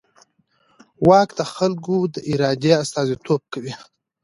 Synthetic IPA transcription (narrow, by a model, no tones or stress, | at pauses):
wɑkd̪əxalɡod̪əʔiɾɑd̪east̪ɑzit̪ʰob̚kawi